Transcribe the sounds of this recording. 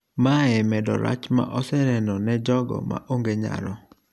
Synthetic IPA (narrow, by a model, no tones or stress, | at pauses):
maɛmɛdɔ̰ɾa̰t͡ʃma̰ʔɔsɛnɛnɔnɛd͡ʒɔɡɔ̰ma̰ʔoŋɡeɲa̰ɾɔ